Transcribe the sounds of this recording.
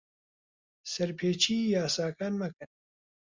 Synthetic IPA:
sɐɾpʰeːt͡ʃʰiːjaːsaːkaːnmɐkɨn

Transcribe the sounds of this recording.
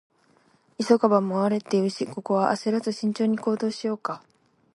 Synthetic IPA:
isokabamoaɾe̞t̪ːe̞iɯ̟ɕiko̞ko̞βaʔaseɾazɨɕĩɲ̟t͡ɕo̞ːɲ̟iko̞ːd̪o̞ːɕijo̞ːka

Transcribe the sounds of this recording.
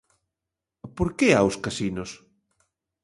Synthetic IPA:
poɾkeawskasinos

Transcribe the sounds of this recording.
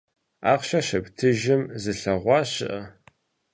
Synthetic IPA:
aːqɕɐɕɐptʰɨʒɪmzɨɬɐʁʷɑːɕɪ̰ʔɐ

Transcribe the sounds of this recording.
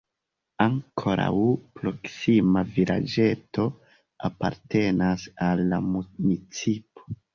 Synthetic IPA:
aŋkʰoɾa̰wpɾo̞ksimaviɾʔa̰d͡ʒe̞to̞ | apa̰ɾte̞nasalːamunit͡sipo̥

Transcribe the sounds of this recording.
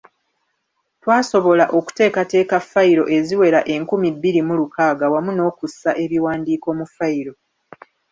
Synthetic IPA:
twaːso̞βo̞laʔo̞ku̥te̞ːkate̞ːkafːaiɾo̞ʔe̞ziwe̞ɾaʔe̞ŋkumibːiɾimulukaːɡawamuno̞ːkusːaʔe̞βiwaːndiːko̞ːmufaiɾo̞

